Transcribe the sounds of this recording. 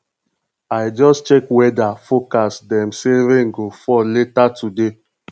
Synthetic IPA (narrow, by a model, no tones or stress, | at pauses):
aɪd͡ʒɔst͡ʃɛkwɛdafokasdɛ̃mseɾẽŋɡofɔletatude